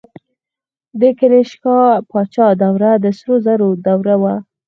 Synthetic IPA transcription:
d̪əkeɾeʃkɑpɑt͡ʃɑd̪awɾad̪əsɾozaɾod̪awɾawa

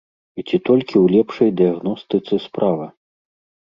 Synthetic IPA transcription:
it͡sʲit̪ɔlʲkʲiwlʲɛpʂɐjd̪ɨjaɣnɔst̪ɨt̪sɨspɾʔavɐ

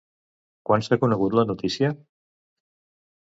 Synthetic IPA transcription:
kwansakunəɣut̪lənut̪isiə

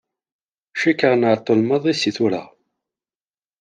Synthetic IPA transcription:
ʃikːəʁnaɾt̪ˤːolməðˤisiθuɾa̰

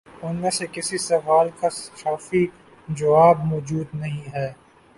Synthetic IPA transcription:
ʊnmẽsekɪsisɐʋaːlkasxaːfi | d͡ʒɐʋaːbmɔːd͡ʒuːd̪nɐɦĩɦɛː

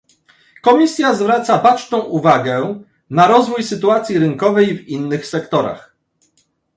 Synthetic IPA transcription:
kɔmʲisʲjazvɾat̪sapat͡ʂt̪ɔ̃w̃ʔuvaɡɛ | naɾɔzvujsɘt̪uat̪sʲjiɾɘŋkɔvɛjvinːɘxsɛkt̪ɔɾa̰x

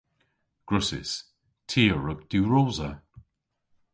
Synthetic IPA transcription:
ɡ̥ɹʊsɪ̰s | tʰiːəɹək̚d̪̥uɹoːzə

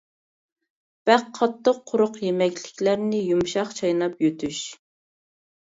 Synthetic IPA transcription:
b̥æqʰːɑt̪ʰːəqʰːʊɾʊqjemɛkʲlɪkʲlæɾnɪjumʃɑχt͡ʃʰɑjnɑpjøt̪ʰyʃ

